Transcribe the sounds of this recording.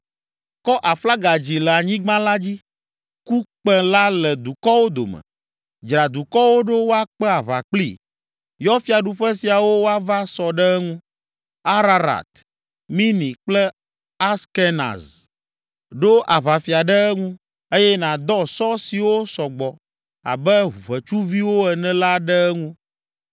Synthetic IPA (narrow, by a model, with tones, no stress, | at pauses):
kɔ˦ʔa˨fla˦ɡa˨d͡ʑi˨lɛ˨a˨ɲĩ˦ɡ͡bã˦la˦d͡ʑi˦ | ku˦k͡pɛ̃˦la˦lɛ˨d̪u˨kɔ˦wo˦d̪o̰˨mɛ̰̃˨ | d͡ʒɾa˨d̪u˨kɔ˦wo˦ɖo˦wo˦a˨k͡pɛ˦a˨βa̰˨k͡plḭ˦˨ | jɔ˦fi˦a˨ɖu˨ɸɛ˦si˨a˨wo˦wo˦a˦va˦sɔ˨ɖɛ˦ɛ˦ŋũ˦ | a˦ɾa˦ɾa̰˨t̪ | mĩ˦nĩ˨k͡plɛ˦ | a˦ske˦na̰˨z | ɖo˦ʔa˨βa˨fi˨a˨ɖɛ˦ɛ˦ŋũ˦ | e˦jɛ˦nã˨d̪ɔ˦sɔ˦si˨wo˦sɔ˨ɡ͡bɔ˨ | a̰˨bɛ˦ɦu˨βɛ˨t͡ʃu˦vi˦wo˦ɛ˨nɛ̃˦la˦ɖɛ˦ɛ˦ŋũ˦